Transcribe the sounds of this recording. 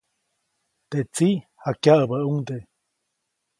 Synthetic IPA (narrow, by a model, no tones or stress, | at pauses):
t̪eʔt͡sihakjaʔəbəuŋd̪e